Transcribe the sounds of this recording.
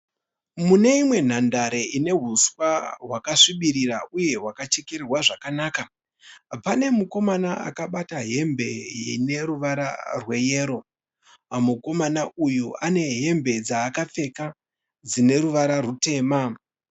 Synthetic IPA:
mune̞imwe̞n̤andaɾe̞ine̞ɦuswaɦwakaʂiɓiɾiɾaʔuje̞ɦwakat͡ʃekeɾirwaʐakanaːka | pane̞muko̞manaa̰kaɓataɦe̞mbe̞ine̞ɾuʋaɾa̰rwe̞je̞ːɾo̞ | muko̞manaujuane̞ɦe̞mbe̞d͡zaːkap͡fe̞ka | d͡zine̞ɾuʋaɾarute̞ːma

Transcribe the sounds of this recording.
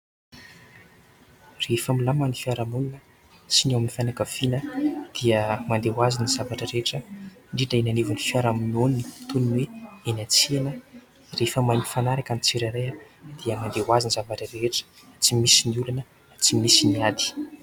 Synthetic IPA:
refamilamanifiaɾamuninə | siniwamnifajnakəv̥inəd̪̥iəmand̪ewaziniz̥avaʈ͡ʂəɾeʈ͡ʂə | ɳɖ͡ʐiʈ͡ʂaenanevanifiaɾamunoninit̪uninweenat͡sienə | refəmajmifanaɾakanit͡seɾaɾea | d̪̥iəmand̪ewazinizavaʈ͡ʂəreʈ͡ʂə̥ | t͡simisiniulunə | t͡simisiniad̪i̥

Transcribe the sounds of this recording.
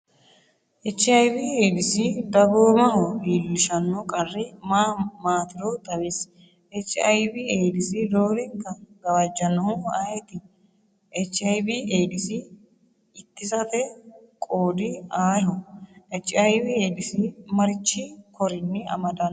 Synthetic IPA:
ʔɛt͡ʃːɪɐjbiːeːd̪ɪsɪd̪ɐboːmɐɦɔliːlːɪʃɐnːɔkʼɐrːɪmaːmaːt̪ɪɾɔt̪ʼɐwes | ʔɛt͡ʃːɪɐjbɪeːd̪ɪsɪd̪oːɾɪŋkːɐɡɐwɐd͡ʒːɐnɐhʊaːjt̪ɪ | ʔɛt͡ʃːɪɐjbiʔeːd̪ɪsɪː | t̪ːɪsɐt̪ɛ | kʼoːd̪ɪaːjɔɛt͡ʃːɪɐjbɪeːd̪ɪsɪmɐɾɪt͡ʃːɪkʰɔɾɪnːɪɐ̰mɐd̪ɐn

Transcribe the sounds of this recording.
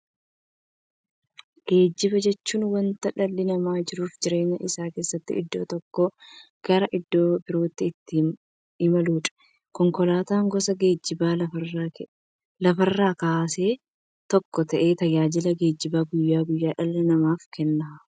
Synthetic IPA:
ɡ̥e̞ːd͡ʒːɪbɐd͡ʒɛt͡ʃːuːnwɐnt̪ɐᶑɐlːɪnɐmaːd͡ʒɪɾuːfd͡ʒɪɾe̞ːɲːɐʔɪsaːke̞ːsːɐt̪ːɪ̰ʔɪ̰d̪ːo̞̰ːt̪ɔkːoɡ̥ɐɾɐʔɪd̪ːo̞ːbɪɾoːt̪ːɪɪt̪ːɪ | ɪmɐluːᶑɐ̥ | kɔŋkɔlaːt̪aːŋɡɔsɐɡeːd͡ʒːɪbaːlɐ | lɐfɐrːaːkaːseː | t̪ɔkːɔt̪ɐʔe̞ːt̪ɐjaːd͡ʒɪlɐɡe̞ːd͡ʒːɪbaːɡʊjːaːɡʊjːaːᶑɐlːɛnɐmaːfkɛnːɐ

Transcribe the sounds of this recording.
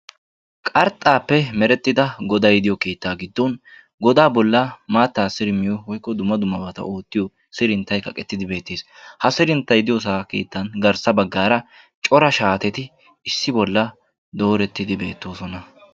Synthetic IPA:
kʼɐɾt̪ʼːaːpːɛmɛɾɛt̪ːɪd̪ɐɡɔd̪ɐjd̪ɪjɔke̞ːt̪ːaːɡɪd̪ːɔn | ɡɔd̪aːbɔlːɐmaːt̪ːaːsɪɾɪmɪjɔwɔjkːɔd̪ʊmːɐd̪ʊmːɐbɐt̪ɐ̰ʔo̞ːt̪ːɪjɔ | sɪɾɪnt̪ːɐjkɐkʼɛt̪ːɪd̪ɪbe̞ːt̪ːeːshɐsɪɾɪnt̪ːɐjd̪ɪjɔs̬aːke̞̰ːt̪ːɐnɡɐɾsɐbɐɡːaːɾɐ | t͡ʃʼɔɾɐʃaːt̪ɛt̪ɪ | ɪsːɪbɔlːɐ | d̪o̞ːɾɛt̪ːɪd̪ɪbe̞ːt̪ːo̞ːsɔnɐ

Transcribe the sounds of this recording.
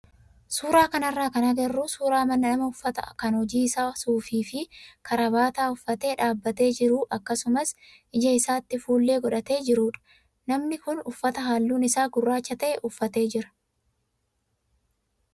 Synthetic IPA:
suːɾaːkɐnɐrːaːkɐnɐɡɐrːuːsuːɾaːmɐnːɐnɐmɐʊfːɐt̪ɐ̰kɐnhɔd͡ʒiːɪsaːsuːfiːfɪkʰɐɾɐbaːt̪aːʊfːɐt̪e̞ːᶑaːbːɐt̪e̞ːd͡ʒɪɾuːʔɐkːɐsʊmɐs | ʔɪd͡ʒɐɪsaːt̪ːɪfuːlːeːɡɔᶑɐt̪e̞ːd͡ʒɪɾuːᶑɐ̥ | nɐmnɪkʊnʊfːɐt̪ɐɦaːlːuːnɪsaːɡʊrːaːt͡ʃːɐt̪ɐʔɛʔʊfːɐt̪e̞ːd͡ʒɪɾɐ̥

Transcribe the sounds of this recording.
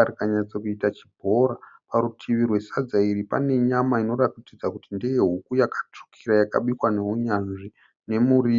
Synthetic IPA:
arikaɲaɲt͡sokuitat͡ʃi̥bʱo̞ɾa | paɾutʰiʋirwe̞sad͡zairipa̰ne̞ɲamaino̞ratitid͡zakutindejeɦukujakḁt͡ʂu̥kʰiɾajaka̰ɓikwane̞uɲanʐi | ne̞muriː

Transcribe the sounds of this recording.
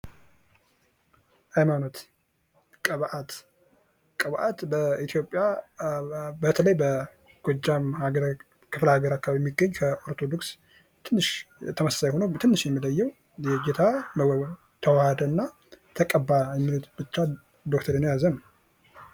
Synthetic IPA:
ʔajmano̞t̪ | kʼəβʔat̪ | kʼəβʔat̪bəit̪ʰjo̞pʼːja | bət̪ʰələjbə | ɡ̥od͡ʒːamhaɾ | kʰɨfləhaɡəɾakːaβijɛmːiɡːəɲːkʰəʔoɾt̪ʰo̞d̪oks | t̪ʰɨnːɨʃt̪ʰəməsḁsajɛho̞nəwt̪ʰɨnːɨʃjɛmːiləjːɛw | jɛɡet̪ʰa | t̪ʰəwahad̪əɨnːa | t̪ʰəkʼəbːajɛmːilot̪b̥ɨt͡ʃːa | d̪ok̚t̪ʰəɾenjazəm

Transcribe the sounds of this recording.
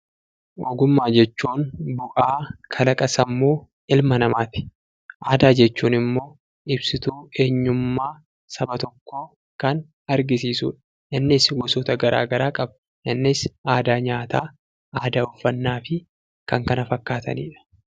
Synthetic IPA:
ʔɔɡʊmːaːd͡ʒɛt͡ʃːuːnbʊʔaːkʰɐlɐkʼɐsɐmːuː | ʔɪlmɐnɐmaːt̪ɪ̥ | ʔaːd̪aːd͡ʒɛt͡ʃːuːnɪmːo̞ː | ʔɪbsɪt̪uːe̞ːɲːʊmːaː | sɐbɐt̪ɔkːo̞ː | kɐn | ɐɾɡɪs̬iːsṵːᶑɐ̥ | ʔɪnːɪsɡɔsoːt̪ɐɡɐɾʔa̰ːɡɐɾaːkʼɐb | ʔɪnːɪsʔaːd̪aːɲaːt̪aː | ʔaːd̪aːʊfːɐnːaːfɪ | kɐŋkɐnɐfɐkːaːt̪ɐ̰nḭːᶑɐ̥

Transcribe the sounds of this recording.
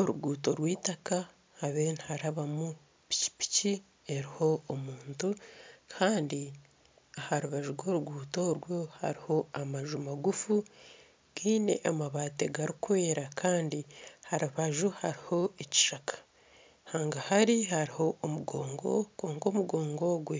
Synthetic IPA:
oɾuɡuːto̞ɾwiːtakaː | βeːnihaɾaβamu | pi̥ci̥pi̥ci | e̞ɾiho̞ːmuːntukʰaːndi | ahaɾuβaʒuɾɡo̞ːɾuɡuːto̞ɾwo̞ha̰ɾiho̞amaʒumaɡufu | ɡ̥iːne̞̰ʔamaβaːte̞ɡaɾikuwe̞ːɾakʰaːndihaɾuβaʒuhaɾiho̞eci̥ʃakʰḁ | haːŋɡahaɾihaɾiho̞ʔːmuɡoːŋɡo̞̰ko̞ːŋko̞ːmuɡo̞ːŋɡo̞ɡwe

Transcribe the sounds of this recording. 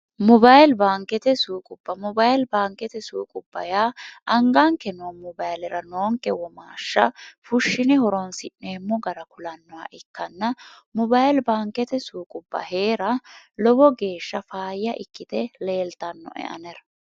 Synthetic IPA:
mɔbajlbaːŋkːɛt̪ɛsuːkʼʊbːɐmɔbajlbaːŋkɛt̪ɛsṵːkʼʊbːɐ̰jaːʔɐŋɡaŋkːɛnoːmɔbajlɛɾɐnoːŋkʼːɛwɔma̰ːʃːɐfʊʃːɪnɛhɔɾɔnsɪʔneːmːɔɡɐɾɐkʊlɐnːɔwa̰ʔɪkːɐnːɐ | mɔbajlbaːŋkːɛt̪ɛsuːkʼʊbːɐ̰he̞ːɾɐlɔbɔɡe̞ːʃːɐfaːjːɐʔɪkːɪt̪ɛle̞ːlt̪ɐnːɔ̰ʔɛ̰ʔɐ̰nɛɾɐ

